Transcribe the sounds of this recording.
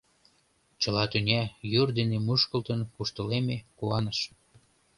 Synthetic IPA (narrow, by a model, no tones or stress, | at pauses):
t͡ɕəlɑt̪ynʲæjyrd̪enemuʃkəlt̪ənpuʃt̪əlemekuɑnəʃ